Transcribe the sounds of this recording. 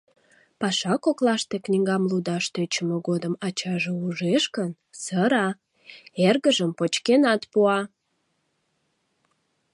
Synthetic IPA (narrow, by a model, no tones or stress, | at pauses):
pɑʃɑkoklɑʃt̪e̽knʲiŋɡɑmlud̪ɑʃt̪øt͡ɕəməɣod̪əmɑt͡ɕɑʒeuʒeʃkən | səɾɑ | erɣəʒəmpot͡ɕkenɑt̪puɑ